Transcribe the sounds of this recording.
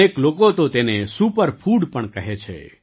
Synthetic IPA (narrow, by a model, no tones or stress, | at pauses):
eklokot̪ot̪enesupəɾpʰuɽpəɳkəɦet͡ʃʰḛ